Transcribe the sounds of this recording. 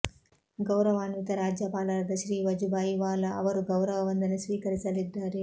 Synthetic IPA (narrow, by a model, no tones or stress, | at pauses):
ɡɐwɾɐʋaːnʋit̪ɐɾaːd͡ʒjɐpaːlɐɾɐd̪ɐʃɾiːʋɐd͡ʒubaːjiʋaːlːɐʔɐʋɐɾuɡɐwɾɐʋɐʋɐnd̪ɐnisʋiːkɐɾit͡ʃɐlid̪ːaːɾi